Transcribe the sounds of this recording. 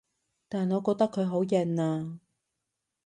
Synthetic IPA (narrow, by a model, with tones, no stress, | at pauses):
t̪aː˨˩nŋɔː˨˧kɔː˧k̚t̪kʰːɵ˨˧ɥɦo˨˥wjɐ˨naː˧